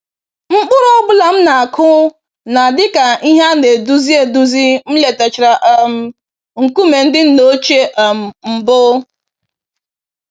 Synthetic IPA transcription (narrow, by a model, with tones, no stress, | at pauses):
ŋ͡m̩˦k͡pʊ˦ɾɔ˦ɡ͡bʊ˦la˨m̩˦na˨a˨kʰʊ˦ | na˨dɪ˦ka˨i˦ɦa˦ne˨du˦zi˦e˨du˦zi˦m̩˦le˨te˨t͡ʃɪ˨ɾa˨ʔm̩˨ | ŋ̩˨ku˦me˨n̩˦dɪ˦n̩˦no˦t͡ʃe˦ʔm̩˨m̩˨bʊ˦